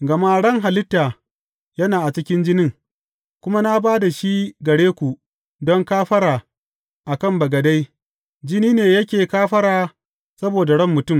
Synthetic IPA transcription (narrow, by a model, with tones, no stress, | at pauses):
ɡɐ˨ma˦ɽɐ˦ŋɦa˨lɪ˦tːaː˨ | jɐ˦naː˨ʔa˨t͡ʃɪ˦kʲɪ˦nd͡ʒɪ˦nɪ˦ŋ | kʷʊ˦ma˦na˦baː˦da˨ʃi˦ɡɐ˨ɽeː˦kʷu˨ | dɔ˦ŋkaː˦ɸɐ˦ɾaː˨ | ʔa˨kɐ˦˨mbɐ˨ɡɐ˨da˦j | d͡ʒɪ˦niː˦neː˨jɐ˦kʲeː˨kaː˦ɸɐ˦ɽaː˨ | sɐ˦boː˨da˨ɽɐ˦mːʊ˨tʊ˦˨m